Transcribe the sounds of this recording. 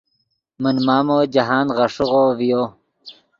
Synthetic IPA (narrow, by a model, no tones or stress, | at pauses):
mənmaːmoːd͡ʑɐɦaːnʁɐʂuʁoːvijoː